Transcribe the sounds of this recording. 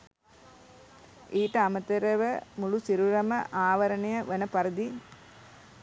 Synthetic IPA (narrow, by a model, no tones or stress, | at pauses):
iːʈəɐmɐt̪əɾəʋəmulusiɾuɾɐməʔaːʋɐɾɐɳejɐʋɐnəpɐɾid̪i